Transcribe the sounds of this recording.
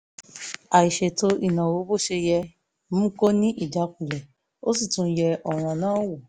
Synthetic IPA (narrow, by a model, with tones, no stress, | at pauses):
a˨i˨ʃe˨to˧i˦˨nã˨wo˨˦bo˦˨ʃe˧jɛ˧ | m̩̃˦ko˦nĩ˦ʔi˦˨d͡ʒa˨˦ku˨lɛ˨ | o˦si˦˨tũ˧˦jɛ˧ʔɔ˨ɾ̃ã˨nãː˦wo˨